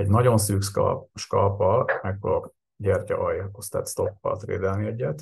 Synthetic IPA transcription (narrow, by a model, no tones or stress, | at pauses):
ɛɟnɒɟo̞nsyːkʃkʃkɒlpɒlmɛkfoɡok | ɟɛrcɒ̰ʔɒjkost̪æ̰ːt̪st̪o̞pːɒ̰t̪vḛːd̪ɛlniɛɟːɛt̪